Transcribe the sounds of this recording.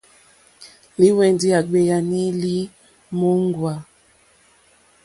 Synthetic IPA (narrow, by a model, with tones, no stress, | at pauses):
li˦wɛ˨ndi˦a˨ɡ͡be˨ja˨ni˦li˦ | mo˦ŋ˦ɡwa˨